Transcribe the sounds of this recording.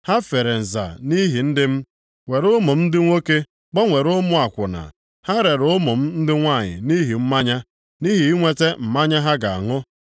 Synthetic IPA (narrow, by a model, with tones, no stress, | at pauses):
ha˦fe˨ɾe˨n̩˨za̰˨ni˦ɦi˨n̩˦dɪ˦m̩˦ | ŋʷe˨ɾʊ˦mʊ˨m̩˦dɪ˦ŋʷo˦ke˦ | k͡pɔ˦ŋʷe˨ɾʊ˦mʊ˦a˨kʷʊ̰˨na̰˨ | ha˦ɾe˨ɾʊ˦mʊ˨m̩˦n̩˦dɪ˦ŋʷa˦˨ɲɪ̰˨ni˦ɦi˨m̩˦ma˦ɲa˦ | ni˦ɦi˨i˦ŋʷe˦te˦m̩˨ma˦ɲa˦ɦa˦ɡa˨a˨ŋʊ˦